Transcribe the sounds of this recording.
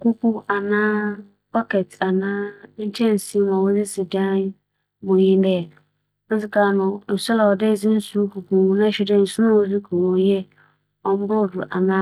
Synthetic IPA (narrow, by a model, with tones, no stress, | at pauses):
ku˦ku˦a˨nãː˦ | pɔ˦kɛ˨ta˨nãː˦n̩˦t͡ʃʰɛ̃˦n̩˨si˦mã˨wʊ˦zɪ˦sɪ˨dã˦ | bʊ̃˨ɲĩ˦dɛ˦˨˦ | sɪ˦ka˨nʊ̃˨n̩˨sʊ˦la˨wɔ˨de˦˨zɪ˦n̩˦su˦ku˨ku˨˦nã˦ɕɪ˦dɛ˦n̩˨su˦nã˦wo˦zɪ˦kʰu˨ɾo˨˦jɛ˦ | ɔ˦m̩˦bʊ˦˨dʊ˨ʔa˨nã˦